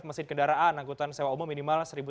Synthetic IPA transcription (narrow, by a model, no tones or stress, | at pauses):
pmasɪd̚kəndaɾaʔanːaŋkut̪ansewaumɔminimalsəɾibu